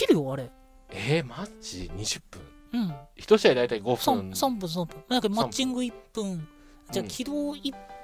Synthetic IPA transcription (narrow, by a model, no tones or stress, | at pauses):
iɾɯjoaɾe̞ | emat͡ɕḭɲiʑɨp͈ːɯ̰̃ŋ | ɯmçi̥t̪oɕiajd̪ajt̪aiɡosʰasʰampɯ̃ns̬ʰampɯnjakammat͡ɕ͈iŋɡɯip͈ːɯn | d͡ʑakʲʰid̪oi